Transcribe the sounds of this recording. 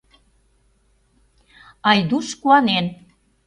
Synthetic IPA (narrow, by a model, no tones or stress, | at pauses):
ɑjd̪uʃkuɑnen